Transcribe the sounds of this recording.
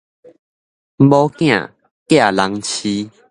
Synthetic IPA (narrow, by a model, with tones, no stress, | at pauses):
m˦bɔ˦kj̃ã̰˥˨ | kja˦˨la˨˦ŋt͡ɕʰi˦